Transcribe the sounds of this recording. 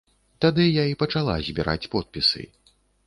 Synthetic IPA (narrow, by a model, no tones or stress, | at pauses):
t̪ad̪ɨjaipɐt͡ʂalˠa̰zʲbʲiɾʔa̰t͡sʲpɔt̪̚pʲisɨ̰